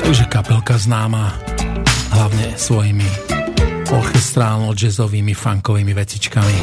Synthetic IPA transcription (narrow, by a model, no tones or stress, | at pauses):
t̪aɡʒɛkapɛlkaznaːmaː | ɦlaʊɲɛsʋɔjimi | ɔɾxɛst̪ɾaːlnɔd͡ʒɛzɔʋiːmifaŋkɔʋiːmiʋɛt͡sit͡ʃkami